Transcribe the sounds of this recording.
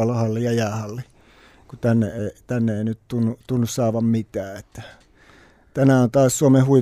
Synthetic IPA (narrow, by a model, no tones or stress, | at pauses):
ɑlɑhɑlːejjɑjæːhɑlːe | kut̪ænːḛeˑit̪ænːeeˑinyt̪t̪unːut̪unːussɑˑːʋɑmmit̪æːet̪ːæ̥ | t̪ænæont̪ɑːssuomehhui